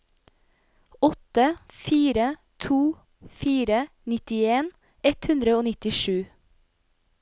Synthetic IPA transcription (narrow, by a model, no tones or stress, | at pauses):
ɔt̪əfiːɾə | t̪ʰuː | fiːɾə | nɪt̪ɪeːn | ɛt̪hʉnd̪ɾəoːnɪt̪ɪʃʉː